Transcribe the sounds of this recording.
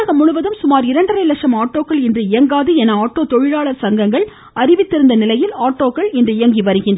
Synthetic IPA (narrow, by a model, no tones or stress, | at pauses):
ɐɣɐmʊɻʊʋɐðɯmsʊmaːɾɪɾɐɳɖɐɾɐɪlɐkʂɐmaːʈːoːkːɐɭɛndrɯɪjɐŋɡaːðɯɛnɐaːʈːoːt̪ɔɻɪɻaːɭɐɾsɐŋɡɐŋɡɐɭ | ɐɾɪʋɪt̪ːɪɾɯnd̪ɐnɪlɐjɪlaːʈːoːkːɐɭɪndrɯɪjɐŋɡiʋɐɾɯɣɪndr